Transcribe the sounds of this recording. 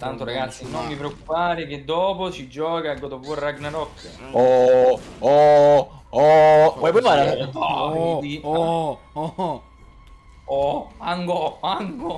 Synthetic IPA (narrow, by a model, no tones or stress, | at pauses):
t̪ant̪oɾaɡat̪sːinomːipɾeokːu̥paːɾek̟ed̪ːɔːpot͡ʃid͡ʒɔːkaɡod̪ovurːaɡnanɔkː | ɔ | ɔ | ɔvɔjpopaːɾaapaii | oaŋɡoaŋɡo